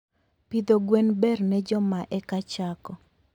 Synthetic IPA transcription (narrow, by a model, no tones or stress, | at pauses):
pid̪oɡwenbɛrnɛd͡ʒɔmaʔɛkat͡ʃakɔ